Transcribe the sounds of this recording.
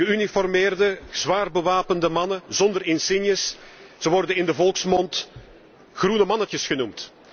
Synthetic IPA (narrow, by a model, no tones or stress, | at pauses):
əynifɔrmɪːrdəz̥ʋaːrbəʋaːpəndəmɑnəzɔndərɪnsɪnjəsz̥əʋɔrdənɪndəvɔlˠksmɔnt | xrunəmɑnətəsɣənumt